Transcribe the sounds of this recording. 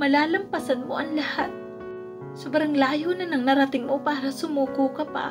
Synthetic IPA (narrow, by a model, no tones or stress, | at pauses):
mɐlaːlɐmpɐsɐnmo̰ʔɐŋlɐhat̪̚ | sʊbɾɐŋlaːjonɐnɐŋnɐɾɐt̪ɪŋmopaːɾɐsʊmuːkuːkɐpa̰